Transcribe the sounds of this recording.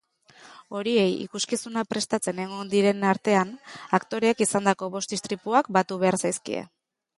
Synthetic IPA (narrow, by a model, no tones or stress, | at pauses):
o̞ɾie̞jḭkuskisunapɾe̞st̪at͡se̞neɣond̪iɾe̞naɾt̪e̞anakt̪o̞ɾe̞ːkisand̪ako̞βo̞st̪ist̪ɾipuakbat̪uβe̞aɾsajskḭḛ